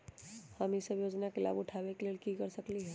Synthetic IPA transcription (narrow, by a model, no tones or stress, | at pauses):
həmisəbjod͡ʒnakela̰bʊʈʰabekelelkikəɾsəkliɦɛ